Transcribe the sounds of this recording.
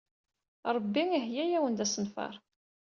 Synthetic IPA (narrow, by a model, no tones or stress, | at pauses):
ɾˤəbːiŋihjæjæwənd̪æsənfɑ̰ɾˤ